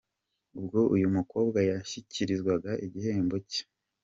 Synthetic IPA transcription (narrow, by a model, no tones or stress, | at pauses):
ub̚ɡo̞ʔujumuko̞ːbɡajaçiciɾizɡwaɡaʔiɟihe̞ːmbo̞ce̥